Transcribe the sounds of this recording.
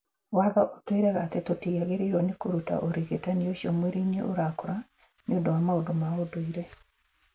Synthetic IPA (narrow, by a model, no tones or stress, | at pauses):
waðɔʔotweɾɛɣat̪ɛtotijaɣeɾejɔnɪkoɾuta̰ʔoɾiɣetanioʃjomweɾiɲḛʔo̰ɾakɾa | nɪodɔamaodomaodoiɾe